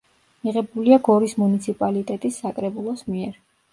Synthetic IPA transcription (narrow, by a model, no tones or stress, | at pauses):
miʁɛbuliaɡɔɾismunit̪sʰipʼalit̪ʼɛt̪ʼisːakʼɾɛbulˠɔsmiɛɾ